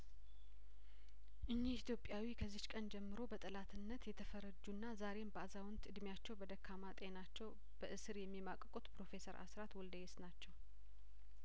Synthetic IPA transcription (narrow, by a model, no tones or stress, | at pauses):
ʔɨɲːihit̪ʰjo̞pʼjawikʰəzːɪt͡ʃkʼənd͡ʒɛmːɨɾo̞bət̪ʼɨlat̪ʰɨnːət̪jɛt̪ʰəfəɾəd͡ʒːunːazaɾe̞mbəazawnt̪ɨd̪mjat͡ʃːɛwbəd̪əkʰːamat̪ʼe̞nat͡ʃːɛw | b̥əʔɨsɨɾjɛmːimakʼəkʼut̪pʰɾo̞fe̞səɾʔa̰sɾat̪wɔld̪əjesnat͡ʃːɛw